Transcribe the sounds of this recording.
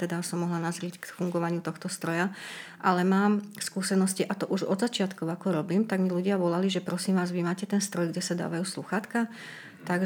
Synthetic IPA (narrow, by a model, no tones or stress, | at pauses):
t̪ɛd̪asɔmːɔɦlanazɾickfuŋɡɔʋaɲɪut̪ɔxt̪ɔst̪ɾɔjaʔalɛmaːmskuːsɛnɔsciʔat̪ɔʔuʒɔd̪zat͡ʃɪat̪kɔʊakɔɾɔbiːmt̪aɡmiluɟɪaʋɔlaliʒɛpɾɔsiːmʋaːzʋimaːcɛt̪ɛnst̪ɾɔjɡɟɛsad̪a̰ːʋajuːsluxaːt̪ka | t̪aɡ